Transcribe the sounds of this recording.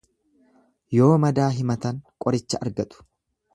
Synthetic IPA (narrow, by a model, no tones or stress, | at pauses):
jo̞ːmɐd̪aːɦɪmɐt̪ɐŋkʼɔɾɪt͡ʃːɐʔɐɾɡɐt̪ʼʊ̥